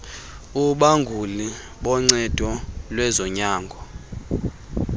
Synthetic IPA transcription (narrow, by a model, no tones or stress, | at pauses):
uɓaŋɡʱuli | ɓɔŋ͡ǀɛd̥ʱɔlwɛzɔɲaːŋɡʱɔ